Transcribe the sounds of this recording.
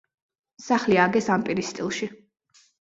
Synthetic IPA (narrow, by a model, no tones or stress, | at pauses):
saχliaɡɛsampʼiɾist̪ʼilˠʃi